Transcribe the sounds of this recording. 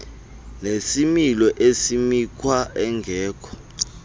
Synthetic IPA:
nesimilɔʔesimikʰwaɛŋɡʱɛːkʰɔ̥

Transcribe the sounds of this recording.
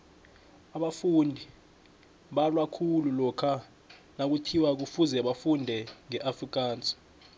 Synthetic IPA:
aɓafundʱi | ɓalwakʰululɔkʰa | nak̬utʰiwak̬ufuzɛɓafundʱɛŋɛʔafrik̬ʼaːnt͡sʼi̥

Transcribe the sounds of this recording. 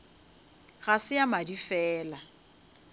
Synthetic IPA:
ɣasɪjamadifɛːla

